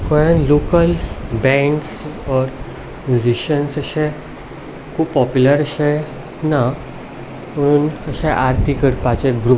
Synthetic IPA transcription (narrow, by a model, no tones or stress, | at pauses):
kɔjãnlokəlbɛ̃ɳɖsɔɾ | mjud͡ʑiɕənsəɕɛ̃ | kʰuːpːɔpjuləɾəɕa | na | m̤əɽ̃uːnəɕɛ̃ʔaɾt̪ikəɽpat͡ɕeɡɾu